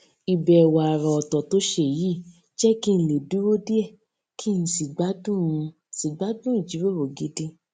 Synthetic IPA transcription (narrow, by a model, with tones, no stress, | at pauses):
i˨bɛ˨wa˨a˨ɾɔ˨ɔ˨tɔ˨to˦ʃe˦˨ji˦˨ | d͡ʒɛ˦ki˦ñ̩˨˧le˨du˨˦wo˦di˦ɛ˦˨ | kʰi˦ñ̩˧si˨ɡ͡ba˨˦dũ˦˨ũ˧˨si˨ɡ͡ba˨˦dũ˦i˦˨d͡ʒi˨˦wo˦˨ɾo˨ɡi˨˦di˦